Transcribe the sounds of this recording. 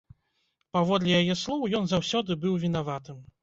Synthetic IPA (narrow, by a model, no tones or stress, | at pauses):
pavɔd̪lʲijajɛslˠɔwjɔnzawsʲɔd̪ɨbɨwvʲin̪avat̪ɨm